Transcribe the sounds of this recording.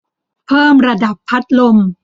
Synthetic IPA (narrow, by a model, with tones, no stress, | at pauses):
pʰɤː˥˩mɾa˧da˨˩pʰːa˦˥t̪̚lo˧m